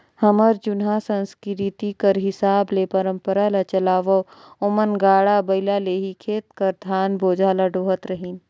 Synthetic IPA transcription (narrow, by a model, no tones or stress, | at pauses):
həməɾd͡ʒʊnɦasə̃nskɾit̪ikəɾɦɪsaːblepəɾə̃mpəɾalat͡ʃɐlaːʋoʊmənɡaːɽabɐɪlaleːɦikʰeːt̪kəɾd̪ʱaːnboːd͡ʒʱaːlaɖoːɦət̪ɾəɦin